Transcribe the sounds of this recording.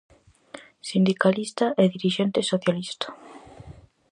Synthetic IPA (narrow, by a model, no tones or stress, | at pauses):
sind̪ikalist̪aʔɛðiɾiʃɛnt̪esoθjalist̪ḁ